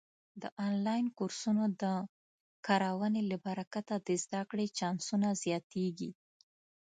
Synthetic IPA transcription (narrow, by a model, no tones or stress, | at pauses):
d̪əʔɑnlɑjnkuɾsunod̪ə | kɑɾawəneləbaɾakat̪ad̪əzd̪akɽet͡ʃɑnsunazjɑt̪eɡi